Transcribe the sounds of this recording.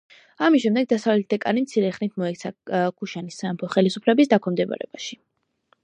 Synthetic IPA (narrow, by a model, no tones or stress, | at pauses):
amisʃɛmd̪ɛɡ̚d̪asavlɛt̪̚ʰd̪ɛkʼa̰nimt̪sʰiɾɛχnit̪ʰmɔɛkt̪sʰakʰuʃanisːaampʰɔχɛlisupʰlɛbis̬d̪akʰɔmd̪ɛba̰ɾɛ̰baʃi